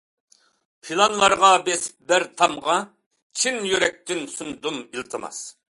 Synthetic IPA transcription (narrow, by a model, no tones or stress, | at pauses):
pʰilˠɑnlˠɑɾʁɑbesɪ̥p̚bɪɾt̪ʰɑmʁɑ | t͡ʃʰinjøɾɛk̚ʲt̪ɪnsund̪umilˠt̪ʰɨmɑ̰s